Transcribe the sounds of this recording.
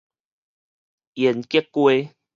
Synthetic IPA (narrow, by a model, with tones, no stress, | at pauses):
jɛ˨˩˨nki˦kːwe˦